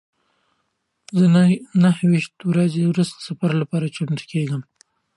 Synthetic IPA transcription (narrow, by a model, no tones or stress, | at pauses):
zənanahwiʃt̪wɾazewɾust̪ə̥safaɾlapɑɾat͡ʃamt̪keɡəm